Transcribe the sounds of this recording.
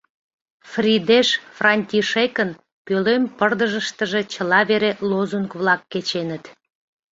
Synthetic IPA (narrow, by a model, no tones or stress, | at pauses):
frʲid̪eʃfrɑnʲtʲiʃekən | pølempərd̪əʒəʃt̪əʒe̽t͡ɕəlɑβeɾelozunkβlɑkːet͡ɕenət̪